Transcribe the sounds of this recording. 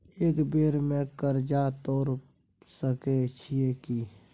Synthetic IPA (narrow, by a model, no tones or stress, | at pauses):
eːkbeːɾmẽkəɾd͡ʒat̪oːɾ | səket͡ʃʰieki